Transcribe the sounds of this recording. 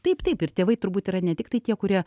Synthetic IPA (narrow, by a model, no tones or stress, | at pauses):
t̪ɐɪpt̪ɐɪpɪɾt̪ʲeːʋɐɪt̪ʊɾbuːt̪iːɾɐnʲɛt̪ʲɪkt̪ɐɪt̪ʲiɛkʊɾʲiɛ